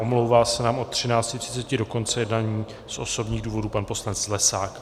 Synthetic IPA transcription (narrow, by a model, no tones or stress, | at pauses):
ʔo̞mlowvaːsɛnaːmʔo̞t̪ːr̝̥ɪnaːt͡scɪt̪r̝ɪ̥t͡sɛcɪdo̞kont͡sɛjɛdnaːɲiː | sʔo̞so̞bɲiːɣduːvo̞duːpanpo̞slanɛt͡slɛsaːk